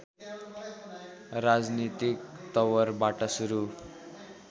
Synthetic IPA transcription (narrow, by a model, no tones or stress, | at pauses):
rad͡znit̪ikt̪ʌwʌrbaʈʌsuɾu